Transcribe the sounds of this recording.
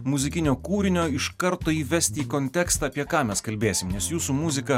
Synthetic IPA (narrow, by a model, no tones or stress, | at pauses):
mʊzʲɪkʲɪnʲoːkuːɾʲɪnʲoːɪʃkɐɾt̪oːiːʋʲɛsʲt̪ʲiːkonʲt̪ʲɛkst̪ɑːpʲiɛkɑːmʲɛskɐlʲbʲeːsʲɪmnʲɛsjuːsuːmʊzʲɪkɐ